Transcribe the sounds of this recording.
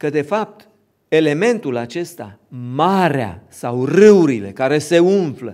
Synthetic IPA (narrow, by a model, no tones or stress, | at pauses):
kəd̪e̞fap̚t̪ | e̞le̞me̞nt̪ulat͡ʃe̞st̪a̰maɾea̰sawrɨuɾile̞̰kaɾe̞se̞unflə